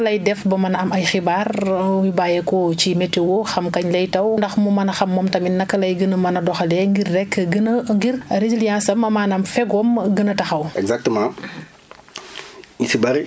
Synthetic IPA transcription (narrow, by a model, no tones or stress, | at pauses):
lɐjdɛfbɐmɐnɐmɐjxibarwibaːjekocimɛtːewoxɐmkɐɲlɐjtɐwndɐxmumɐnɐxɐmːɔmtɐminːɐkːɐlɐjɡənɐmɐnɐdɔxɐlɛŋɡirːɛkːɡənɐŋɡirɾezilijãnsɐmɐmaːnɐmfɛɡɔmɡənɐtɐxɐwɛɡzak̚təmã | isibɐɾi